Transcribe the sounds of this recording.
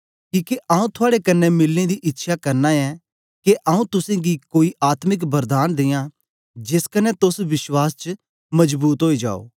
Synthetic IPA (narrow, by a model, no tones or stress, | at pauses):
kiːkeʔaũt̪ʰʊaːɽekɐnːɛmɪlːẽd̪iʔɪtːʃʰakɐɾnaɛ | keʔɐːũt̪ʊsẽɡikoːiʔaːt̪mɪk̬bɐɾd̪aːnd̪eːjã | d͡ʒɪskɐnɛt̪ʊsʋɪswaːst͡ʃ | mɐd͡ʒbuːt̪ɦoːid͡ʒa̰ːo̰ː